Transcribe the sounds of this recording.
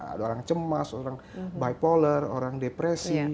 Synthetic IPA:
a̰daoɾaŋt͡ʃəmasoɾaŋ | bajpoləro̰ɾaŋdepɾɛsi

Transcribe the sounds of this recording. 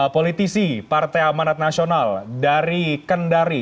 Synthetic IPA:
polit̪isipart̪ajamanat̪̚nasionaldaɾikəndaɾi

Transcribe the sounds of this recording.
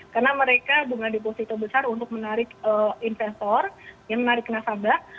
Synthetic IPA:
karnaməɾekad͡ʒuŋadiposit̪ɔbəsarunt̪ʊk̚mənaɾɪkəinfɛst̪ɔrjaŋmənaɾɪk̚nasaba

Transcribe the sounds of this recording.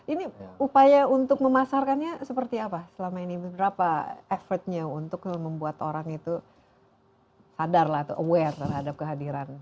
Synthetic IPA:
iniupajaunt̪ʊk̚məmasarkanɲasəpərt̪iapasəlamainibəbəɾapaefərt̪̚ɲaunt̪ʊk̚məmbuat̪oɾaŋit̪u | sadarlaht̪uʔəwɛrt̪ərhadap̚kəɦadiɾan

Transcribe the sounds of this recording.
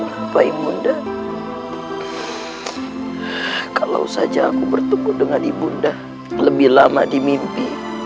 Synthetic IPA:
paibunda | kala̰usad͡ʒaːkubərt̪ukʊt̪̚dəŋandibunda | ləbɪhlama̰dimimpi

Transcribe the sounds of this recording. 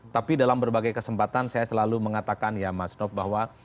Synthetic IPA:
t̪apidalambərbaɡajkəsəmpat̪ansajasəlaluməŋat̪akanjamasnɔfbahwa

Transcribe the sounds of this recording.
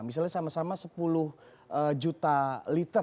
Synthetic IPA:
mis̬alɲasamasamasəpulʊh | ʔəd͡ʒut̪alit̪ə

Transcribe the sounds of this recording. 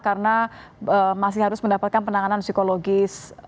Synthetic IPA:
kaɾənaəmas̬ɪhaɾʊsməndapat̪̚kanpənaŋanansikoloɡɪs

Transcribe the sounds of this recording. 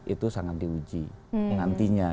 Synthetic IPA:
it̪usaŋat̪̚diud͡ʒiŋant̪iɲa

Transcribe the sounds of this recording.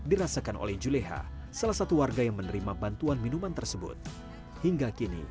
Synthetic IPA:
diɾasakanʔo̰lɛhd͡ʒuleɦa̰ | salasat̪uwarɡajaŋmənəɾimabant̪uanminumant̪ərsəbʊ̰t̪̚ | hiŋɡakinḭ

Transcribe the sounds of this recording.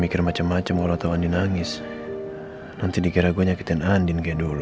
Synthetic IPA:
mikɪrmat͡ʃamːat͡ʃamkalɔat̪awandinaŋɪs | nant̪idiɡaɾaɡaɲaki̥t̪ɛnandinɡadul

